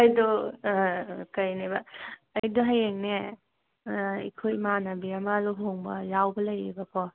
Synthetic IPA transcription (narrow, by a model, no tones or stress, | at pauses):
ɐjdɔ | kɐjnebɐːjdoɦajeŋne | ḭkʰojmanɐbiɐmaluɦoŋbɐ̰jawbɐlɐjibɐkʰɔ